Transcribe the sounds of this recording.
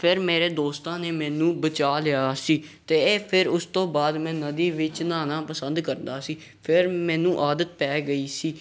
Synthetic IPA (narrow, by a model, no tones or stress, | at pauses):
pʰɪɾmeːɾeːd̪oːst̪ãːneːmɛ̃ːnũːbət͡ʃaːlɪjaːsiːt̪eːpʰɪɾʊst̪õːbaːd̪mɛ̃ːnəd̪iːʋɪt͡ʃnaːnãːpəsənd̪kəɾnd̪aːsiː | pʰɪɾmɛ̃ːnũːʔaːd̪ət̪̚pɛːɡəiːsiː